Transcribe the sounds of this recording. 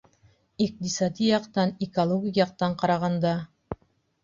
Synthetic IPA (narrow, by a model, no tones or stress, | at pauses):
iq̚t̪isɑt̪ʲijɑqt̪ɑnikolˠoɡʲikjɑq̚t̪ɑɴqɑɾɑʁɑnd̪ɑ